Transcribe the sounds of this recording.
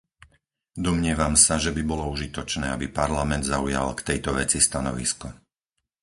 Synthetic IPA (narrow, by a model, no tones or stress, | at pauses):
d̪ɔmɲɪɛʋamsaʒɛbibɔlɔuʒit̪ɔt͡ʃnɛːabipaɾlamɛnd̪zauja̰lkt̪ɛjt̪ɔʋɛt͡sist̪anɔ̰ʋḭskɔ